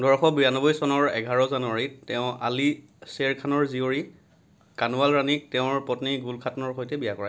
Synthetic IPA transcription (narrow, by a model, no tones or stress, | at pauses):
dɔɹxɔbujanɔbɔjsɔnɔɹɛ̰ɡʱaɹɔzanʊwaɹitɛʊ̃ali | seɹkʰanɔɹzioɹi | kanuwalɹanik̚tɛʊ̃ɹpɔtniɡulkʰatnɔɹxojtɛbijakɔɹa